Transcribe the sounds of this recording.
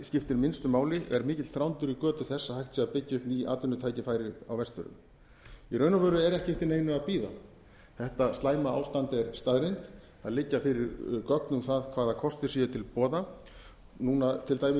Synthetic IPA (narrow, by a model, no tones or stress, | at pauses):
scɪft̪ɪɾmɪnst̪ʏmaːwlɪɛ̰ɾmɪːcɪt̪θɾawnt̪ʏɾikœːt̪ʏθɛsːahajht̪siːapɪcːɪʏhpniaːt̪ʏnːʏt̪ʰaːjcɪfaːjɾɪa̰wvɛst̪vʏɾʏ̰m | iɾœɥnavœɾʏɛɾɛhcɪft̪ɪneːjnʏapiːða̰ | θɛht̪ast̪laːjmaaːwst̪ant̪ɛɾst̪aðɾɪjnt̪ | aðlɪcːafɪɾɪɾkɔknʏmθaðkʰvaːðakʰɔst̪ɪɾ̥siːɛt̪ʰɪlpɔːða | nuːnat̪ʰɪlt̪aːjmɪ